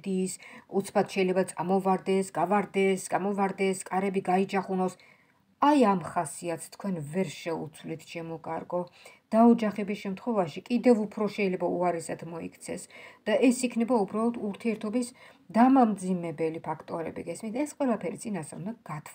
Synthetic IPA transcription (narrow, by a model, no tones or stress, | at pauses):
d̪iːsut̪sʰpʰat̪ʃɛjlɛbat̪sʼamɔvaɾd̪ɛsɡavaɾd̪ɛsɡamɔvaɾd̪ɛskʼaɾɛbiɡaid͡ʒaχunɔs | ajamχasiat̪sʰt̪ʰkʰwɛnvɛɾʃɛut̪sʰvlit̪ʰʃʰɛmɔkʼaɾɡɔd̪̥aɔd͡ʒaχɛbisʃɛmt̪ʰχwɔɛvaʃikʼid̪ɛvupʰɾɔʃɛjlɛbauaɾɛsad̪mɔḭkʰt̪sʰɛ̰sd̪̥aʔɛsikʰnɛbaubɾalˠɔt̪ʰuɾt̪ʰiɛɾt̪ʰɔbis | d̪amamd̪zimɛbɛlipʰakʰt̪ʼɔɾɛ̰bḭɡɛsmint̪ʰɛsqʼwɛlˠapʰɛɾit̪sʼinasaɾmaɡ̥at̪ʰ